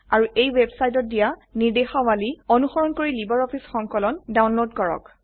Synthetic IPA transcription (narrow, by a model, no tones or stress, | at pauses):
aɹuʔejwebsajt̬ɔt̚dijanidexawaliɔnuxɔɹɔnkoɹilibaɹɔpʰisxɔŋkɔlɔndawnlodkɔɹɔ̰k